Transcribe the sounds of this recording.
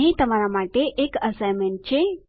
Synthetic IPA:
ɦĩt̪əmaɾamaʈeʔekəsajmẽɳʈ̚t͡ɕe

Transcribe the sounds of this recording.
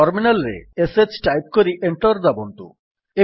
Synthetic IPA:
ɔɾminalɾḛeset͡ɕʈajp̚koɾiʔeɳʈoɾd̪abont̪ṵ | e

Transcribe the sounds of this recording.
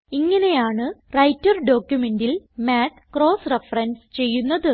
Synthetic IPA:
iŋːɐne̞jaːɳɨrɐjtːɐrɖo̞ːkːjume̞ndilmaːʈkro̞ːsrefɐrɐnɖst͡ɕe̞jːunːɐðɨ

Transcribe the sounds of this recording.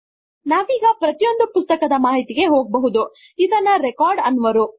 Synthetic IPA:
naːʋiːɡɐpɾɐt̪ijo̞nd̪upust̪ɐkɐd̪ɐmaːɦit̪iɡe̞ɦo̞ːɡ̚bɐɦud̪u | id̪ɐnːɐɾekaːɾɖɐnːʋɐɾu

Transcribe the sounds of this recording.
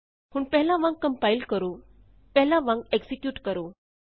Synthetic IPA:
ɦuːɳpɛɦlãʋãŋkkːə̃mpajilkəɾu | pɛɦlaʋãŋkeksikjuːʈkəɾo

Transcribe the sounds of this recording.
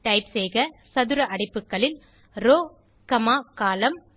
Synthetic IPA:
ʈɐɪpsɛjɣɐsɐðɯɾɐʔɐɽɪpːɯkːɐɭɪl | ɾoː | kɐmaːkaːlɐm

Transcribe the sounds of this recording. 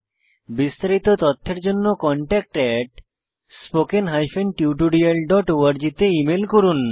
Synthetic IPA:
bist̪aɾit̪ot̪ɔt̪ʰːeɾd͡ʑonːokɔɳʈɛk̚ʈɛʈ | spokenɦajfenʈjiuʈ̬uɖialɖɔʈoaɾd͡ʑit̪eimelkoɾun

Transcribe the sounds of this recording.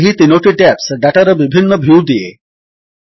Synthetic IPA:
ɦit̪inoʈiʈæpsɖaʈaɾəʋibʱinːəbʱiwd̪ijḛ

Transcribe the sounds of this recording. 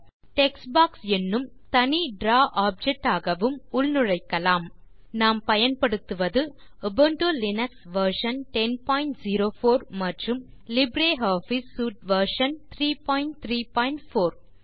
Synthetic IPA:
ʈɛksbaːksɛnːɯm | t̪ɐniɖɾaːʔaːp̚d͡ʒɛk̚ʈːaːɣɐʋɯmʊɭnɯɻɐɪkːɐlaːm | naːmpɐjɐnpɐɽɯt̪ːɯʋɐðɯ | ɐbɐɳʈolɪnɐksʋɐɾʂɐnʈɛnpaːjɳʈziɾoːfoːɾmɐʈrɯmlɪbɾeːɦaːfisːuːʈ̚ʋɐɾʂɐnt̪ʰɾiːpaːjɪɳʈt̪ɾiːpaːɪɳʈfoːɾ

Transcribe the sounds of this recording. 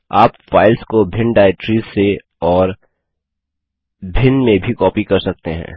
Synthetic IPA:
aːpfaːɪlskobʱɪ̃ɳɖaːɪʈɾiːzse | ɔːɾ | bʱɪnɖmẽbʱikɔːpikɐɾsɐk̚t̪eɦɛ̰̃ː

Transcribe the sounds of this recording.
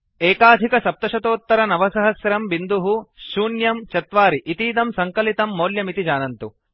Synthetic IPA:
eːkaːd̪ʱikɐsɐp̚t̪ɐʃɐt̪oːt̪ːɐɾɐnɐʋɐsɐɦɐsɾɐmʋind̪uɦuʃuːnjɐmt͡ʃɐt̪ʋaːɾiʔit̪iːd̪ɐmsɐŋkɐlit̪ɐmːoːljɐmit̪id͡ʒaːnɐnt̪u

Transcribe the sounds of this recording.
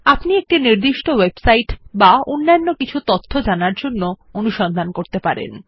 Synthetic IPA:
apniek̚ʈiniɾd̪iʃʈowebsajʈbaonːanːokit͡ɕʰut̪ot̪ʰːod͡ʑanaɾd͡ʑonːoonuʃɔnd̪ʱankoɾt̪epaɾḛn

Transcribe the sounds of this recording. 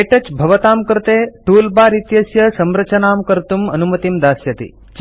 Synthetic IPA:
eʈɐt͡ʃbʱɐʋɐt̪aːmkɐɾt̪eːʈuːlbaːɾit̪jɐsjɐsɐmɾɐt͡ʃɐnaːmkɐɾt̪umɐnumɐt̪imd̪aːsjɐt̪ḭ | t͡ʃ

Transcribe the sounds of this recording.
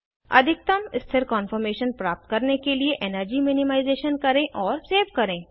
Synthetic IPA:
ɐ̰d̪ʱɪk̚t̪ɐmɪst̪ʰɪɾkɔ̃ːnfəɾmeːʃənpɾaːp̚t̪̚kɐɾnekelieʔɛnəɾd͡ʒimɪnɪmaːɪzeːʃənkɐɾẽʔɔːɾseːʋkɐɾẽː

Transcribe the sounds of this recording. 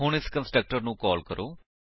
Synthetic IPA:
ɦʊɳɪskənsʈɾək̚ʈəɾnũːkɔːlkəɾʔoː

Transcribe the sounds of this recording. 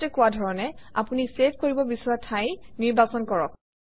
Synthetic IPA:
tɛkʊwadʱɔɹɔnɛa̰punisepʰkoɹibɔbisɔɹatʰajniɹbasɔnkɔɹɔk

